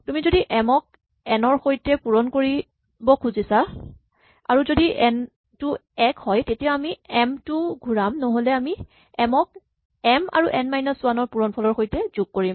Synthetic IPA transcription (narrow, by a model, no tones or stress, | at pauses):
tumizodiʔɛmɔk̚ | ɛnɔɹxojtɛpuɹɔnkoɹi | bɔkʰuzisa | a̰ɹuzodiʔɛn | tʊɛkhɔjtetijaamiɛmtʊɡʱuɹamnoɦolɛami | ɛmɔk̚ | ɛma̰ɹuʔɛnmajnasʊwanɔɹpuɹɔnpʰɔlɔɹxojtɛzuɡ̚koɹim